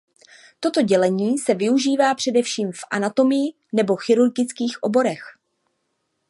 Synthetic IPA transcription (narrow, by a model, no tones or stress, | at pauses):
t̪o̞t̪o̞ɟɛlɛɲiːsɛvɪuʒiːvaːpr̥ɛdɛfʃiːmfʔa̰nat̪o̞mɪjɪ | nɛbo̞xɪɾuɾɡɪt͡skiːxʔo̞̰bo̞ɾɛx